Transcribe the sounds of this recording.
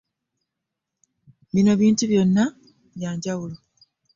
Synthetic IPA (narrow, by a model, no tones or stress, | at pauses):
βino̞βiːntuβjo̞nːa | βjaːɲɟawulo